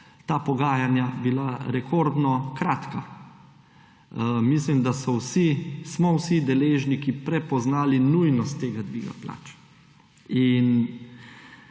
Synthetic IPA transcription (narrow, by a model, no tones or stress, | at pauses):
t̪aːpɔɡaːjanjabilaɾɛkʰoɾd̪nɔkɾaːt̪ka | mislimd̪asɔwsismɔwsid̪ɛleːʒnikipɾɛpɔznaːlinujnɔst̪ːeːɡad̪ʋiːɡa̰pla̰ːt͡ʃ | in